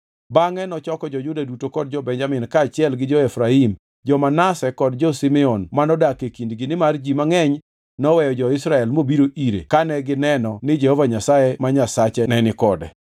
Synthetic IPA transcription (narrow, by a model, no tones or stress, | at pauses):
baŋɛnɔt͡ʃɔkɔd͡ʒɔd͡ʒʊdadutokɔd̚d͡ʒɔbɛɲd͡ʒamɪnkaːt͡ʃɪɛlɡɪd͡ʒɔɛfɾaim | d͡ʒɔmanasɛkɔdd͡ʒɔsimɛɔnmanɔdakekindɡɪnɪmard͡ʒimaŋɛɲ | nɔwɛjɔd͡ʒɔɪsɾaɛlmobiɾoʔiɾḛkanɛɡɪnɛnɔnɪd͡ʒɛhɔvaɲasajɛmaɲasat͡ʃɛnɛnɪkɔdɛ̰